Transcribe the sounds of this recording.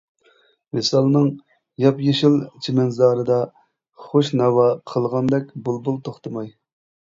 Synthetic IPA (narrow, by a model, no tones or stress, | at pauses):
mesɑlˠnɨŋ | jɑpjeʃilt͡ʃʰimɛnzɑːɾɨd̪ɑ | χoʃnɑwɑqʰəlˠʁɑnd̪ɛkʲbulˠbulˠt̪ʰoχt̪ʰɨmɑj